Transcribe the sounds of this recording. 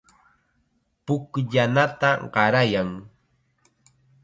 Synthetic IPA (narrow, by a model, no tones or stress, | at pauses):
pʊkʎanat̪aɢɑɾajaŋ